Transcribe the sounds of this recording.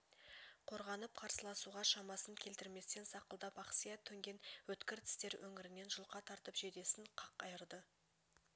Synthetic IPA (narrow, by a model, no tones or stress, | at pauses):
qʰoɾʁɑnəp̚qʰɑɾsəlˠɑsuʁɑʃɑmɑsəŋkʲʰe̞lt̪ɪɾme̞st̪e̞nsɑqəlˠd̪ɑpɑqsijɑt̪ʰːɵŋɡʲe̞nwɵt̪kʲɪɾt̪ʰɪ̥st̪e̞ɾwʔɵŋɪɾɪne̞nʒʊlˠqɑt̪ʰɑɾt̪əpʒe̞d̪e̞sɪnqʰɑqɑjəɾd̪ə